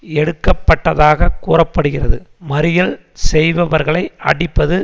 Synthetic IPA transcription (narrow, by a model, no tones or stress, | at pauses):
ɛɽɯkːɐpːɐʈːɐðaːɣɐkuːrɐpːɐɽɯɣɪrɐðɯmɐɾɪjɐl | sɛjʋɐʋɐɾɣɐɭɐɪʔɐ̰ɽɪpːɐðɯ